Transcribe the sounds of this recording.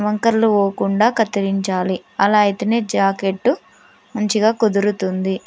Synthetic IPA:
ʋɐŋkɐɾluʋoːkuɳɖaːkɐt̪ːiɾiɲt͡ʃaːliɐlaːjit̪ɐneːd͡ʒaːkeʈːu | mɐɲt͡ʃiɡaːkud̪iɾut̪und̪i

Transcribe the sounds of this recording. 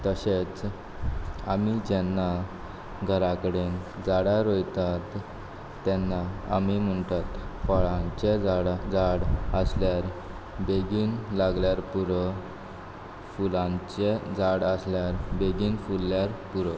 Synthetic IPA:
t̪əɕet͡s | a̰mid͡ʑɛnːa | ɡʱəɾakəɽend͡zaɽaɾojt̪at̪ː | ɛnːaamim̤əɳt̪at̪fɔɭãt͡ɕed͡zaɽd͡zaɽəsljaɾ | beɡuːnlaɡljaɾpuɾə | fulãt͡ɕed͡zaɽəsljaɾbeɡiːnfulːjaɾpuɾə

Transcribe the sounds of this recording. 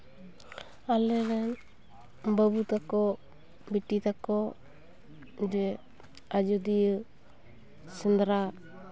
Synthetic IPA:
alɛlɛn | bəbut̪akɔ | biʈːit̪akɔ | d͡ʒɛ | ad͡ʒud̪ijə | sənd̪ɾa

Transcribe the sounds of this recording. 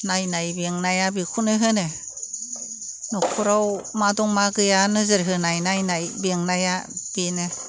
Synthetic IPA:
najnajbiŋnajabikʰunɯɦɯne | nɔkʰuɾawmadɔŋmaɡɯjanɯzɯɾɦɯnajnajnajbiŋnajab̥ine

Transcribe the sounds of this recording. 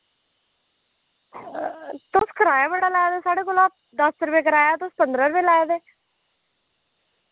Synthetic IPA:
t̪oskəɾaːjaːbəɽaːlaːed̪eːsaːɽeːkoːlaːp̚ | d̪əsɾbeːkəɾaːjaːt̪ʊspənd̪ɾəɾbeːlaːed̪eː

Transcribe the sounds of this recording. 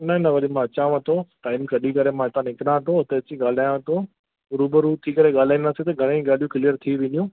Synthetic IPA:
nɐɦnɐʋɐɗɪmãɐt͡ɕãːʋãt̪ʰoʈaːɪmkɐɗikɐɾemãɪt̪ãnɪkɽãt̪ʰoʊt̪eɐt͡ɕĩɡaːl̤aːjãt̪ʰo | ʊɾuːbəɾut̪ʰikɐɾeɠaːl̤aːĩnd̪aːsit̪ɐɡʱɐɽ̃ẽɡaːl̤ijũkɪlijəɾt̪ʰiʋɪ̃njũ

